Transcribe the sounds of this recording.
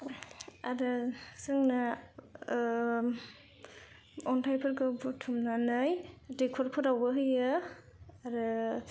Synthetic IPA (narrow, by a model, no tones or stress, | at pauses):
aɾɯsɯŋna | ɔntʰajpʰɯɾkɯbutʰumnanɯjdekʰɔɾpʰɯɾawbɯɦɯjɯ | aɾɯ